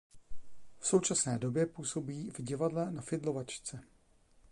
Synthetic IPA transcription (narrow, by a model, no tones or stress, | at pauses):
fso̞wt͡ʃasnɛːdo̞bjɛpuːso̞biːvɟɪvadlɛnafɪdlo̞vat͡ʃt͡sɛ